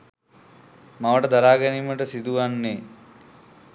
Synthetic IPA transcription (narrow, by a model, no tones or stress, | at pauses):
maʋəʈəd̪aɾaːɡɐnimːəʈəsid̪uʋanːe